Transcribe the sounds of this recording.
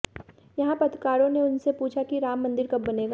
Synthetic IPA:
jɐɦãpɐt̪kaːɾõneʊnsepuːt͡ʃʰakiɾaːmːɐ̃nd̪ɪɾkɐbbɐneːɡa

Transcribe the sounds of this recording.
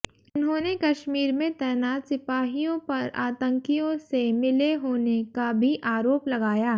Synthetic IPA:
ʊnɦõːnekɐʃmiːɾmẽt̪ɛːjnaːt̪sɪpaːɦijõpɐɾaːt̪ə̃ŋkijõsemɪleɦoːnekabʱiʔaːɾoːplɐɡaːjaː

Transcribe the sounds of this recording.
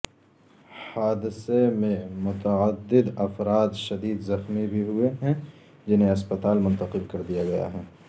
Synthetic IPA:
haːd̪ɪsemẽmʊt̪əəd̪ːɪd̪ɐfɾaːd̪ʃɐd̪iːd̪zɐxmibʱiɦʊeɦɛ̃ | d͡ʒɪnɦẽɐspət̪aːlmʊ̃nt̪əqɪlkɐɾd̪ijaɡɐja̰ɦɛː

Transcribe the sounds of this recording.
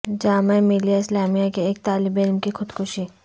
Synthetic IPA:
d͡ʒaːmemilijaɪslaːmijakieːk̚t̪aːlɪbɪlmkixʊd̪kʰʊʃi

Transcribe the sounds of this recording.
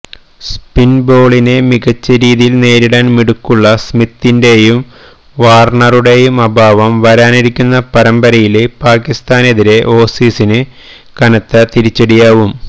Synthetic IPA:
spinbo̞ːɭinemiɡɐt͡ɕːɐɾiːðijilne̞ːɾiɽaːnmiɽukːuɭːɐsmit̪ːinde̞jum | ʋaːrɳɐruɽe̞jumɐbʱaːʋɐmʋɐɾaːniɾikʲːunːɐpɐɾɐmbɐɾɐjilepaːkist̪aːne̞ðiɾe̞ʔo̞ːsiːsinɨ | kɐnɐt̪ːɐt̪iɾit͡ɕːeɽijaːʋum

